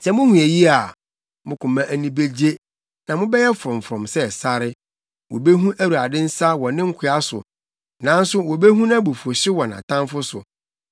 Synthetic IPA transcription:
sɛ˨mʊ̃˦hũ˨æ˨ji˦a˨ | mʊ̃˦kʰʊ̃˨mã˦ʔæ˦nĩ˦be˦d͡ʑe˦ | nã˨mʊ̃˦bɛ˦jɛ˦fɾɔ̃˨m˨fɾɔ̃˨msɛ˦˨sa˦ɾɪ˦ | wɔ̰˨be˦ɦũ˦ʔæ˦wu˨a˨dɪ̃˦n̩˦sa˦wɔ̃˨nɪ̃˦ŋ̩˦kʷʰɪ˦a˦sʊ̰˨ | nã˨˦n˦sʊ˦wɔ˨be˦ɦũ˦nã˦bo˨fɔ˨ɕɪ˦wɔ̃˨nã̰˨tʰã˦mfʊ˦sʊ˨

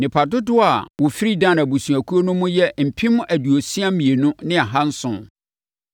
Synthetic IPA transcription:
nɪ̃˨pʰa˨dʊ˦dʊ˦a˨wʊ˨fi˦ɾi˦dã˦˨na˨bu˨sũ˨æ˨kʰu˦o˦nʊ̃˦mʊ̃˦jɛ˦m̩˨pʰĩ˦m̃˦ʔæ˨du˨o˨si˦a˦mĩ˨e˨nʊ̃˦nɪ̃˦a˨ɦã˦n̩˦sʊ̰̃˨

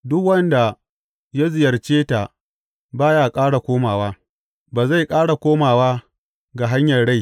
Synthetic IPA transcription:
dʊ˦kwɐ˦nda˨ | ja˦zɪ˨jɐ˨rt͡ʃeː˦ta˨ | baː˦jaː˨kʼaː˦ɽa˨kʷoː˦maː˨waː˦ | baː˨za˦˨jkʼaː˦ɽa˨kʷoː˦maː˨waː˦ | ɡa˨ɦa˦ɲjɐ˨rɽa˦j

